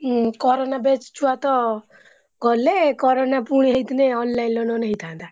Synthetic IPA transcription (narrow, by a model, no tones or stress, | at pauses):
kɔɾonabet͡ʃt͡ʃʰuat̪ɔ | ɡɔlekɔɾonapuɽ̃iɦejt̪neɔnlainlɔnɔnəɦĩt̪ʰãnd̪a